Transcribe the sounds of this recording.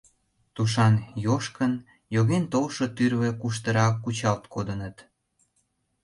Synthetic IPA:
t̪uʃ̬ɑnjoʃkən | joɣent̪owʃot̪yrβĕkuʃ̬t̪ə̆ɾɑkːut͡ɕɑlt̪kod̪ənət̪

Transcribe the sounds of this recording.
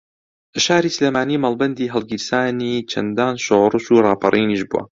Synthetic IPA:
ɐʃaːɾiːsleːmaːniːmaːlˠbɐnd̪iːɦɨlˠɡiɾsaːniːt͡ʃʰɐ̰nd̪aːnʃorˤɨʃuːrˤɑːpʰɑrʔiːniʃbṵʔɐ̰

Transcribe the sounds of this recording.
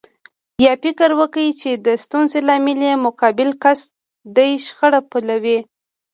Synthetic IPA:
jɑfɪkəɾwəkajit͡ʃed̪əst̪unzelɑmɪlemʊkɑbɪlkas | d̪əjʃxəɽapulawi

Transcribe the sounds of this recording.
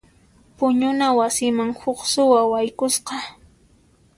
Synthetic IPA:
pʊɲʊnawasɪmaŋhʊχsʊwawajkʊsqɑ

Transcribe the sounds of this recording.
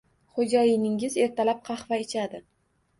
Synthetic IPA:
χod͡ʒɒjɪnɪŋɪze̞ɾt̪ʰalap̚qʰɑχvaɪt͡ʃʰad̪ɪ

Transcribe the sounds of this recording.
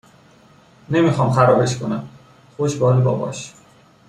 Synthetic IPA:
ne̞mixɒːmxæɾɒːbe̞ʃkʰonæm | xoʃbɒːlebɒ̰ːbɒ̰ːʃ

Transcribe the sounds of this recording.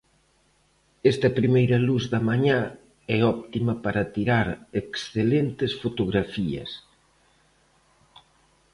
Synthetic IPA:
ɛst̪ɐpɾimejɾɐluzðɐmaɲã | ɛɔpt̪imɐpaɾɐt̪iɾaɾeksθelent̪esfot̪oɣɾafiɐ̰s

